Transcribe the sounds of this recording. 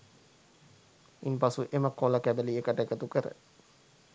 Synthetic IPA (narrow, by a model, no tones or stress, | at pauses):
inpasuʔeməkoləkæbəliekəʈəekət̪ukəɾə̰